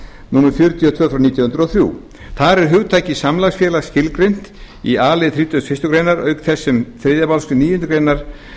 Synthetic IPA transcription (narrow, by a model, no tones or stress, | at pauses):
nuːnafjʏɾt̪ʰjɔt̪ʰv̥œːθɾawniːt̪jɔhʏnt̪ɾɔθɾjṵː | θaɾɛɾ̥ɦʏɣt̪ʰaːjcɪsamlaɣsfjɛːlaɣscɪlkɾejn̥t̪ | iaːlɪðθɾiːt̪ʏt̪fɪst̪ʏkɾejnaɾœɥkθɛsːɪmθɾeːðjapalskʏniːjʏnt̪ʏkɾejnaɾ̥